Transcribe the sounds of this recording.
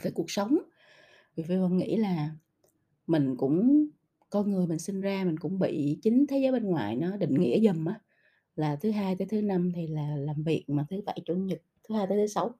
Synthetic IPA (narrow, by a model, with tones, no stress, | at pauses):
vəː˨˩jku˨˩ək̚sə˨˦wŋ͡m | vi˨˩vi˨˧˩və̰˧˩wŋ͡mŋḭ˧˥laː˨˩ | mï˨˩ŋ̟kʊ̰˧˥ŋ͡m | kɔ˧nŋɨ˨˩əjmï˨˩ŋ̟sï˧nzaː˧mi˨˩ŋ̟kʊ̰˧˥ŋ͡mɓḭ˧˨t͡ɕï˨˦ŋ̟t̪ʰe˨˦zəː˨˦jɓeə˧nŋwaː˨˩jnɔ˨˦ɗḭ̈˧˨ŋ̟ŋḭ˧˥əzə˨˩mʔaː˨˦ | laː˨˩t̪ʰɨ˨˦ɦaː˧jt̪əː˨˦jt̪ʰɨ˨˦na˧mt̪ʰi˨˩laː˨˩laː˨˩mvi˨˩ək̚maː˨˩t̪ʰɨ˨˦ɓa̰˧˩jt͡ɕṵ˧˩ənɲi˨˩t̚t̪ʰːɨ˨˦haː˧jt̪ə˨˦t̪ʰɨ˨˦sa˨˦w